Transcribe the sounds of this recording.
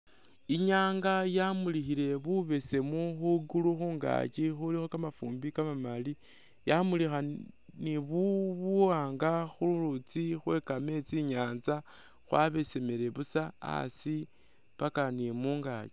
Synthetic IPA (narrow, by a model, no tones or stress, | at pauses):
iɲaːŋɡajamulixile̞βuβe̞se̞muxuɡuluxuːŋɡa̰t͡ʃixulixo̞kamafṵːmbikamamali | jamulixaniβuβaːŋɡaxululut͡sixwe̞kame̞t͡siɲaːnza | xwaβe̞se̞me̞ɾe̞βusaa̰si | pakanimuːŋɡa̰t͡ʃi̥